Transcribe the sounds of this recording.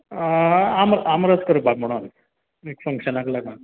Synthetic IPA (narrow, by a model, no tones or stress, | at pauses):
amɾamɾəskəɾubakm̤əɽ̃oːn | ekfəŋkʂənaklaɡma